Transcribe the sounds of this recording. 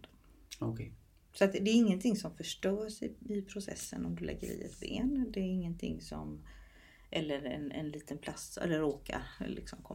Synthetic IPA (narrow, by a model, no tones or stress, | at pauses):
ɔkʰː | sɔat̪d̪ɛːɾɪŋːənt̪ʰɪŋːsɔmfœʂʈœːʂɪɪpʰɾʊsɛ̰sːənɔmd̪ɵlɛ̰ɡːəɾḭːɛt̪beːnd̪ɛæɾɪŋːənt̪ʰɪ̰ŋːsɔ̰m | ʔɛlːəɾɛnɛ̰nliːt̪ənpʰlassɛ̰lːəɾːoːka̰ɾlɪksɔmkʰɔ